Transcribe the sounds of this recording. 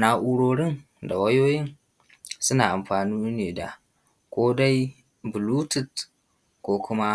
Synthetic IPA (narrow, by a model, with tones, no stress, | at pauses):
na˦ʔu˦ɽoː˦ɽɪ˦n | da̰˨wɐ˦joː˦jɪ˦n | sʊ˦naː˨ʔa˨mɸaː˨nuː˦neː˨da̰˨ | kʷoː˦da˦j | bʊ˨lu˦tɪ˨t | kʷoː˦kʰʷʊ˦ma˦